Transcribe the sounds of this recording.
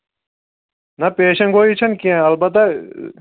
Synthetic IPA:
nɐpeːʃɐnɡoːit͡ɕʰɐnkiẽɐlbɐt̪ɐ

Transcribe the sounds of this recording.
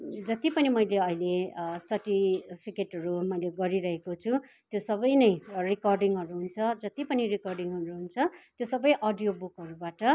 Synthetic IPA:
d͡zʌt̪ipʌnimʌjleʌilesʌrʈipʰikeʈɦʌɾumʌjleɡʌɾiɾʌɦekot͡sʰu | t̪josʌbʌjnʌjrikʌrɖiŋɦʌɾuɦunt͡sʰʌd͡zʌt̪ipʌnirikʌrɖiŋɦʌɾuɦunt͡sʰʌt̪josʌbʌjʔʌɖijobukɦʌɾubaʈʌ

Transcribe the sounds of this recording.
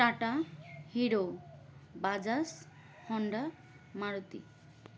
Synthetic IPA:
ʈaʈahiɾo | bad͡zas | hɔɳɖa | maɽut̪ḭ

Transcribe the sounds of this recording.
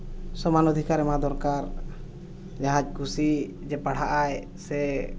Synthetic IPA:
sɔmanɔd̪ʱikaɾɛmɦãd̪ɔɾkaɾ | d͡ʒaɦãc̚ˀkʰusi | d͡ʒɛpaɽ̤aʔaj | sɛ

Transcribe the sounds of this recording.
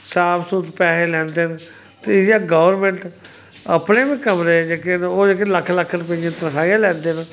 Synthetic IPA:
saːpʰsuːt̪pɛːɦeːlɛ̃ːnd̪eːn | t̪eɪjaːɡəʋəɾmẽːɳʈ | əpneːbĩːkəmɾeːd͡ʒeːkenoːd͡ʒeːkeləkʰːləkʰːɾʊp̬eãːt̪əɾkʰaːijãːlɛ̃ːnd̪eːn

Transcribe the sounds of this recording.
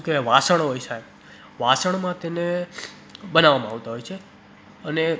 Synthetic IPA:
keʋasəɳ̃ɦojsaj | ʋasəɳ̃mãt̪ene | bənaʋːamãaʋt̪aɦojt͡ʃʰe | əne

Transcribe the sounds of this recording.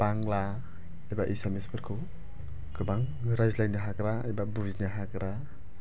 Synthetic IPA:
b̥aŋla | ajbaʔisemespʰɯɾkʰɯw | ɡɯbaŋɾajzlajnaɦakɾaajbabuznaɦakɾa

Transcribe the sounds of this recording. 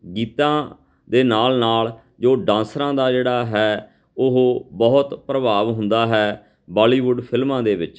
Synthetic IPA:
ɡiːt̪ãː | d̪eːnaːlnaːl | d͡ʒoːɖãːnsɾãːd̪aːd͡ʒeːɽaːɦɛː | ʊɦbɔːʊt̪pɾəbaːʋɦʊ̃nd̪aːɦɛː | bɔːliːʋʊɖpʰɪlmãːd̪eːbɪt͡ʃ

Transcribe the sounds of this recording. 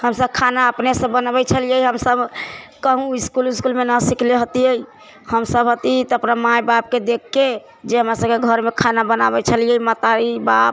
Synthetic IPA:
həmsəb̚kʰanaəpnesə̃bənbɛt͡ʃʰəlijəjɦəmsəbkəɦũiskuliskulmenəsikleɦot̪iəi | həmsəbɦot̪it̪əpnamajbap̚ked̪ekʰːe | d͡ʒeɦəmɾasəbkeɡʱəɾmekʰanabəna̰bɛt͡ʃʰəlijəimət̪aɾibap

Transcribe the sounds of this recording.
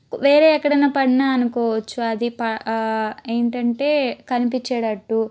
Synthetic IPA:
ʋe̞ːɾe̞ːɛkːɐɽɐjnɐpɐɽinaɐnukɔːʋɐt͡ʃːuɐd̪ipɐ | eːɳʈɐɳʈe̞ːkɐnipit͡ʃːaːɽɐʈːu

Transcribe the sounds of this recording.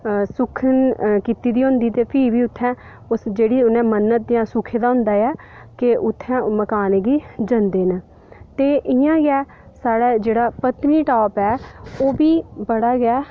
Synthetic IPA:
sʊkʰənkiːt̪iːd̪iːɦʊ̃ːnd̪iːt̪eːpʰiːʋiːʊt̪ʰːɛ̃ː | ʊsd͡ʒeːɽiːʊnɛ̃ːmənːət̪̚d̪ɪjãːsʊkʰẽːd̪aːɦʊ̃nd̪aːjaː | kɪʔʊt̪ʰːɛ̃ːməkaːneːɡiːd͡ʒənd̪eːnː | t̪eːʔɪjãːɡɛː | saːɽaːd͡ʒeːɽaːpət̪niːʈaːpɛːoːbiːbəɽaːɡɪɛː

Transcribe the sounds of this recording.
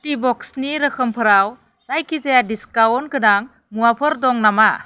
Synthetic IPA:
tibɔksniɾəkʰəmpʰɯɾaw | sajkʰizajadiskawɔnkʰɯnaŋ | muwapʰɯɾdɔŋnama

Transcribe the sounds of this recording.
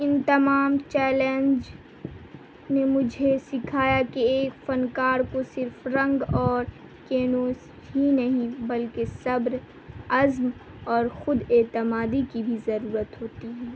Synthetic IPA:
ɪnt̪ɐmaːmt͡ʃɛːlẽnd͡ʒ | nemʊd͡ʒʱesɪkʰaːjakeeːkfɐnkaːɾkosɪɾfɾɐ̃ŋɡɔːɾ | keːnoːs | ɦinɐɦĩbɐlkesɐbɾ | ɐzm | ɔːɾxʊd̪ɛːt̪ɪmaːd̪ikibʱizɐɾuːɾət̪ɦoːt̪iɦɛ̃ː

